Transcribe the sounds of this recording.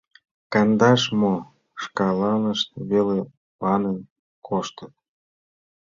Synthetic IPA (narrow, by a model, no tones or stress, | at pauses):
kɑnd̪ɑʃmo | ʃkɑlɑnəʃt̪βele | pɑnen | kʰoʃt̪ət̪̚